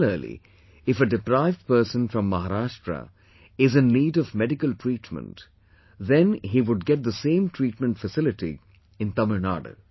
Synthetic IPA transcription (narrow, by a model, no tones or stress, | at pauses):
ləːlḭ | ɪfəɖɪpɾaɪvɖ̚pəɾsə̃nfɾʌ̃mːaɦaɾaːʃʈɾə̰ | ɪzɨ̃nːiːɖɔvmɛɖɪkəlʈʰɾiːʈmə̰̃nʈ | ðɛ̃nɦiʋʊɖ̚ɡɛʈ̚d̪əsẽːmʈʰɹiːʈmə̃ntfəsɪlɪʈḭ | ɪ̃nt̪ʌməna̰ːɖə̰